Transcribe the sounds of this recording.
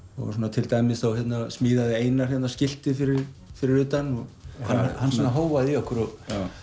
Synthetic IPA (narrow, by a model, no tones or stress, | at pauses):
ɔ̰ɣsuːnat̪ʰɪlt̪aːjmɪsθawçjɛt̪nasmiːðaðɪeːjnaɾ̥jɛt̪nascɪl̥t̪ɪfɪɾɪɾfɪɾɪɾʏːt̪anɔɣhanhanːssɔnaɦoːwvaðiɔhkʏɾɔɣ